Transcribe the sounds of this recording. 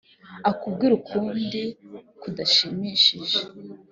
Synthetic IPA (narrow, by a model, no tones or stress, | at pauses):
akubɡiɾukʰuːndikudaʃimiːʃiʒe̥